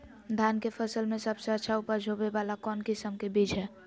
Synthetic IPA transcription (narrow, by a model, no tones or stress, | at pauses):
d̪ʱankepʰəsəlmesəbsəətːʃʰaupəɾd͡ʒʱobebalakɔnkisəmkebid͡ʒʱɦɛ